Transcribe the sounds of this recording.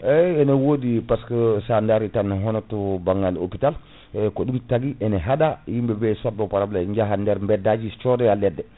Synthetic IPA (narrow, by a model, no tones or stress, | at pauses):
ɛɛnɛwodipaskɔsandaɾitanːaɦɔnɔtɔbaŋɡalo̰pital | kɔɗumtaɡiʔɛnɛɦadajimbɛbɛsat̚ːɔpaɾablaɲd͡ʒaɦandɛɾmbɛdːad͡ʒit͡ʃɔdɛalːɛdːɛ